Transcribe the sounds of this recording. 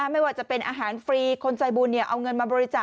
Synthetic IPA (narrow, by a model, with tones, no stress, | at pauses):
a˥˩ma˥˩jwaː˨˩t͡ɕa˨˩pe˧nʔaː˧ɦaː˩˦nfɾiː˧kʰo˧nt͡ɕaː˧jbuː˧nːi˦˩ɐʔa˧wŋɤ˧nmaː˧bɔː˧ɾi˦˥t͡ɕaː˨˩